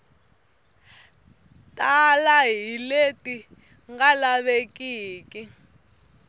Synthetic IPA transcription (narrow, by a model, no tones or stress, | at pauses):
tʼalaɦiletʼi | ŋɡalaβekʼiːki